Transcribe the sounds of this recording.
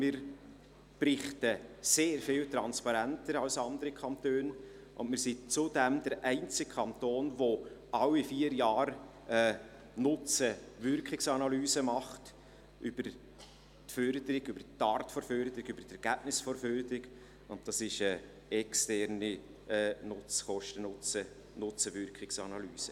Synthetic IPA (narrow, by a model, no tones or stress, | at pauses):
mɪːɾ | pɾɪχtəseːɾfɪːltɾɑnspɑɾæntəɾɑwsɑnd̪əɾikʰɑntøːn | ʔʊndmɪːɾsit͡sʊdɛmd̥əɾʔæɪnt͡sɪkkʰɑntoːnʋoɑwifiːəɾjɑːɾ | ɛː | nʊt͡səvʏrkχɪksɑnɑlyːzəmɑχt | ʔʏb̥əɾ | tføɾd̪əɾɪɡybəɾtːɑːɾtfɔɾføɾd̪əɾɪɡybəɾtɛɾɡ̥æb̥nɪsfɔrføɾdəɾɪɡ | ʊnt̚d̥ɑsɪʃə | ɛkstɛɾni | ɛːnʊt͡sχɔʃtənʊt͡sə | nʊt͡səʋʏɾkχɪksɑnɑlyːsə